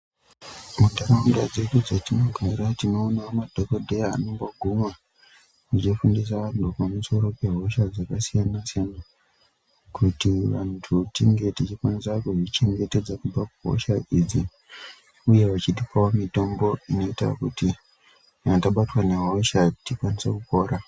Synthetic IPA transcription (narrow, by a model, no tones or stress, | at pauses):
mundaɾandad͡ze̞ɗud͡zatinoɡʱaɾatino̞ːnamadʱokodʱeja̰ːnomboɡʱumwa | nit͡ʃifundis̬aɗokamuso̞ɾo̞pe̞ɦo̞ʃad͡zakasijanasijana | kutiʋantʰutiŋɡe̞tit͡ʃikwanisakuʐit͡ʃe̞ŋɡe̞te̞d͡zakub͡vakuɦo̰ʃaʔid͡zi | uje̞ʋat͡ʃitipawomito̞mbo̞ino̞ita̰kuti | taɓatwane̞ɦo̞ʃatikwanisekupo̞ːɾa